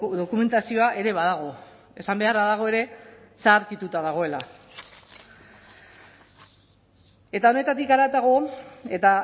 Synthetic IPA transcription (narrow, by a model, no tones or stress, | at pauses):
ðo̞kume̞nt̪asio̞aʔe̞ɾe̞βað̞aɣ̞o̞ | e̞sambe̞araðaɣ̞o̞e̞ɾe̞saːɾkit̪ut̪aðaɣ̞o̞e̞la | e̞t̪ao̞ne̞t̪at̪ikaɾat̪aɣ̞o̞e̞t̪a